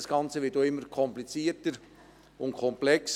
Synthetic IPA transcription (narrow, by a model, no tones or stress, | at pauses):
sɡ̥ɑnt͡səʋɪːt̚doɪmːəɾkʰɔmplit͡siːətəɾ | ʊnkʰɔmplɛks